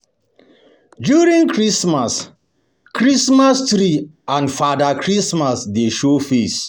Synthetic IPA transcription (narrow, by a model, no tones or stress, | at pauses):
djuɹĩŋkʰɹismas | kʰɹismastɾi | ãnfadakʰɹismasdeʃofes